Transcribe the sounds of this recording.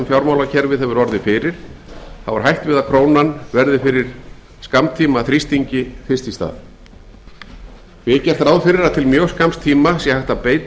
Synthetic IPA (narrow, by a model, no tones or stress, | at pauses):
mfjawɾmaːwlacʰɛɾvɪðɦɛvʏɾɔɾðɪfɪɾɪɾ̥θa̰vaɾ̥ɦajht̪vɪðaðkʰɾoːwnanvɛɾðɪfɪɾɪɾ̥ | skamt̪ʰiːmaθɾist̪iɲcɪθɪst̪ist̪a̰ːð | vɪcɛr̥t̪ɾawðfɪɾɪɾat̪ʰɪlmjœːwskamst̪ʰiːmasjɛhajht̪apeːjt̪